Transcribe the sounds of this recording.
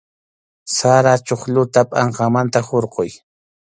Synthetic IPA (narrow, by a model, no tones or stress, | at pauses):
saɾat͡ʃoχlʊt̪apʼaɴqɑmant̪ahoɾqoj